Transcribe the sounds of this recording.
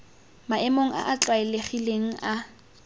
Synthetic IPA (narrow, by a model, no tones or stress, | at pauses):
maɛmoŋ̩a̰ʔat͡ɬʼwaɛleχileŋ̩a